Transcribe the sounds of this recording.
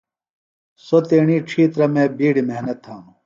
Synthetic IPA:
sot̪eːɳiːʈ͡ʂʰiːt̪ɾɐmẽːbiːɽimeɦnɐt̪ʰːaːnu

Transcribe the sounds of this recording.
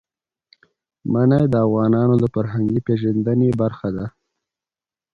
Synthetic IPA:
manajd̪əavɣɑnɑnod̪əfaɾɦaŋɡipeʒand̪ənebaɾxad̪a

